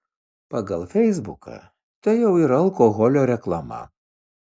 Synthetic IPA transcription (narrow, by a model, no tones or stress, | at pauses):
pɐɡɐlˠfʲɛɪzbʊkɐ̰ | t̪ɐɪjɛʊiɾɐɐlˠkoːɣɔlʲoːɾʲɛklˠɐmɐ̰